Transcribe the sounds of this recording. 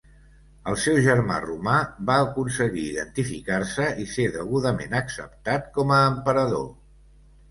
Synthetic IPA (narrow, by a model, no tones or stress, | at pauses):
əlˠsɛwʒəɾma̰rumabaəkunsəɣiːðə̰nt̪ifikarsəiseðəɣuðəmenəksə̰p̚t̪at̪kɔməːmpəɾəðo̰